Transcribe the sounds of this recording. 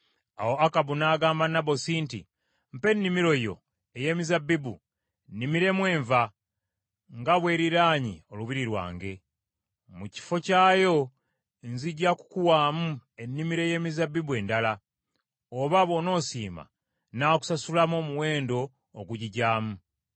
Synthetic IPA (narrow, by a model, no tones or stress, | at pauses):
a̰wo̞akabunaːɡaːmbanːabo̞siːntḭ | m̩pe̞nːimiɾo̞jo̞̰ | eje̞ːmizabːibu | nːimiɾe̞mwe̞ːɱva | ŋɡaβwe̞ːɾiɾaːɲḭo̞luβiɾiɾwa̰ːŋɡe̞ | muci̥fo̞caːjo̞ | nziɟaku̥kuwaːmue̞nːimiɾe̞je̞ːmizabːibue̞ndala | oβaβo̞no̞ːsiːma̰ | naːku̥sasulamo̞ːmuwe̞ːndo̞ː | ɡuɟiɟaːmu